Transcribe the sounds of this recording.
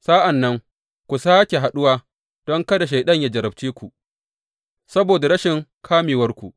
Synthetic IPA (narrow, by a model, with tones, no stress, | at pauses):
saː˦ʔa˨nːɐ˦ŋ | kʷu˨saː˦kʲe˨ɦa˨ɗʊ˦waː˦ | d̥ɔ˦ŋkɐ˦da˨ʃ̬a˨jɗɐ˦ɲjaː˨d͡ʒɐ˨ɾɐ˨b̚t͡ʃiː˦kʷu˨ʔ | sɐ˦boː˨da˨ɾɐ˦ʃɪ˨ŋkʰaː˦miː˨wɐ˦rkʷu˨ʔ